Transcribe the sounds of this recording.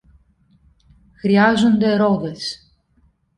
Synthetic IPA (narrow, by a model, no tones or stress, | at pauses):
xɾiɐzond̪e̞ɾo̞ðe̞s